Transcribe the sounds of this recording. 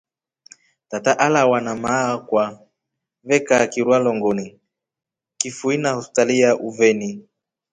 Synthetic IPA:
tataʔalawanamakwa | vɛkakiɾwalɔŋɡɔni | kifuinahɔspi̥taliaʔuvɛni

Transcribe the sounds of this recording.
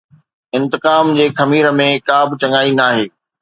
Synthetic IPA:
ɪ̃nt̪ɪqaːmd͡ʑeːxɐmiːɾə̆mẽkaːbʱɪt͡ɕɐ̃ŋɡaːinaːɦeː

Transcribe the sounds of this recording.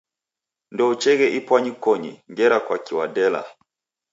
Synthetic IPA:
ndɔut͡ʃɛɣɛʔipwaɲikɔɲiŋɡɛɾakwakiwadɛla̰

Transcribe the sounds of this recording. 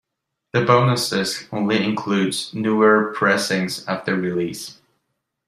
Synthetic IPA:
ðɨbõʊ̃nəsɪsõʊ̃nliɨ̃nkʰl̥ʉdz̥nuə˞pʰɹ̥ɛsɪ̃ŋzəvðɨɹilis

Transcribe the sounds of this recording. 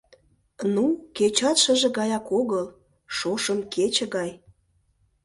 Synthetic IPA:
nuket͡ɕɑt̪ʃə̆ʒĕɣɑjɑkoɣəl | ʃoʃəmkʰet͡ɕĕɣɑj

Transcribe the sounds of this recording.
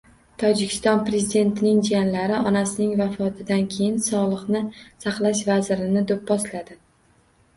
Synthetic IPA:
t̪ʰɒd͡ʒɪkʲʰɪ̥st̪ɒnpɾe̞zid̪e̞nt̪ʰɪnɪŋd͡ʒijanlaɾɪʔɒnasɪnɪŋvafɒt̪ʰɪd̪ankʲʰe̞jɪnsɒlˠɨχnɪsaqlˠaʃ̬vazɪɾɪnɪd̪op̚bɒslad̪ɪ

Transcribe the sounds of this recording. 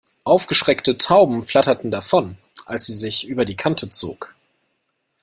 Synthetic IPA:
ʔaʊfɡ̥əʃʁ̥ɛktətʰaʊbm̩fl̥atɐtn̩dafɔn | ʔalsz̥iːzɪçʔyːbɐdiːkʰantʰət͡so̰ːk

